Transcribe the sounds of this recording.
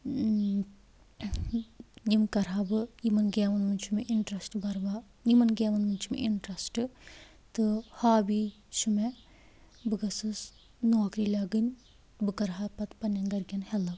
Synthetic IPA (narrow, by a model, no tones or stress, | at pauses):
jimkɐɾɦabɨjimɐnɡeːmɐnmɨnʲt͡ʃʰumeʔiɳʈɾɐsʈbɐɾʋa | jimɐnɡeːmɐnmunt͡ʃʰumḛʔiɳʈɾɐsʈɨ | t̪ɨhaːbi | ʃume | bɨɡɐsɨs | noːkɾilʲɐɡɨnʲ | bɨkɐɾɦapɐt̪pɐnːɐnɡɐɾɡʲɐnhɛlɐb